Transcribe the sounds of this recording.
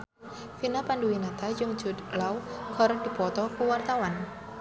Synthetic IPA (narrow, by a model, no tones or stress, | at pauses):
finapanduwinat̪ad͡ʒʊŋ̥d͡ʒʊ̤d̪lawɡ̥ɔɾd̪̥i̤pɔt̪ɔkuwart̪awan